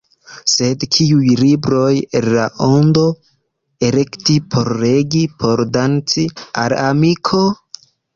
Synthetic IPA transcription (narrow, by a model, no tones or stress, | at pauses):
se̞dkʰiujlibɾo̞jenlaʔondo̞ | e̞ɾe̞ktipʰo̞ɾːe̞ɡipʰo̞ɾdant͡sia̰lamikʰo̞